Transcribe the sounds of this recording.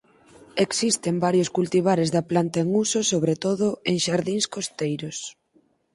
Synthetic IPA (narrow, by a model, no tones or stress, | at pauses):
eksist̪embaɾjoskult̪iβ̞aɾezðɐplant̪aeŋusosoβɾet̪oðʊeŋʃaɾðiŋskost̪ejɾos